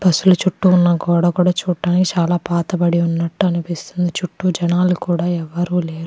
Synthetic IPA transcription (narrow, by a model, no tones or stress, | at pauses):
bɐsulut͡ʃuʈːuunːɐkɔːɽaːkuːɽaːt͡ʃuːʈːaːnikit͡ʃaːlaːpaːt̪ɐbɐɽiunːɐʈːuɐnupist̪und̪it͡ʃuʈːud͡ʒɐnaːlukuːɽaːɛʋɐɾuːleːɾu